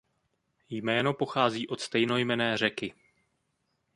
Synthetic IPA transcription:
jmɛːno̞po̞xaːziːʔo̞t̪st̪ɛjno̞jmɛnɛːr̝ɛkɪ

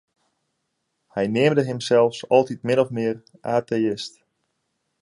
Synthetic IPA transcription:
hɛjnɪəmdəɦɪmsɛlˠfsɔlˠtitmɪnɔfmɪər | ʔaːteɪst

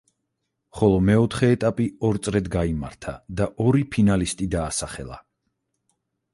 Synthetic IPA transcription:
χɔlˠɔmɛɔt̪ʰχɛːt̪ʼapʼiɔɾt̪sʼɾɛd̪ɡaima̰ɾt̪ʰad̪aʔɔɾipʰinalist̪ʼid̪aːsaχɛlˠa̰

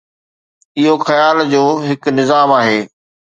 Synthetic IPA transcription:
ɪɦoxɐjaːld͡ʑoːɦɪknɪzaːmaːɦeː

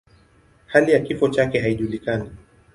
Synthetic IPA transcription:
halijakifɔt͡ʃakɛɦaiʄulikani

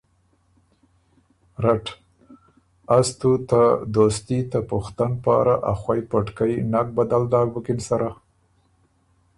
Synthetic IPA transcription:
ɾaʈ | ast̪ut̪ad̪ost̪it̪apʊxt̪anpɑ̰ːɾaʔa̰xwajpaʈkajnak̚bad̪ald̪ɑːɾbʊkɪnsaɾa

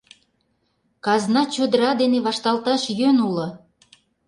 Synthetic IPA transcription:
kɑznɑt͡ɕod̪əɾɑd̪eneβɑʃt̪ɑlt̪ɑʃjønulɤ̆

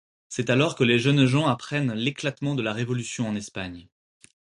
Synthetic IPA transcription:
sɛt̪alɔʁkəleʒœnʒɑ̃apχɛnleklat̪mɑ̃d̪əlaʁevɔlysjɔ̃ɑ̃nɛspaɲ

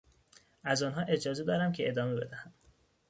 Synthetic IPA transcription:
æzɒːnɦɒːʔe̞d͡ʒɒːze̞d̪ɒːɾæmcʲʰeʔed̪ɒːme̞be̞d̪æhæm

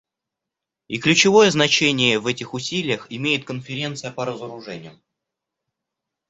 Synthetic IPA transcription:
iklʲʉt͡ɕɪvo̞jəznɐt͡ɕenʲɪjəvɛtʲɪxʊsʲilʲɪjəxɪmʲejɪt̪̚kənfʲɪɾʲe̞nt̪sɨjəpəɾəzəɾʊʐɛnʲɪ̰jʊ

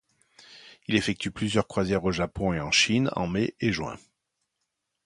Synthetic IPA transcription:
ilefɛk̚t̪yplyzjœʁkχwazjɛʁoʒapɔ̃eɑ̃ʃinɑ̰̃meʔeʒwɛ̰̃

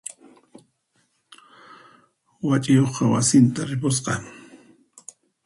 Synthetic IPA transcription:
wat͡ʃʼɪjoχqɑwasɪnt̪aɾɪpʊsqɑ

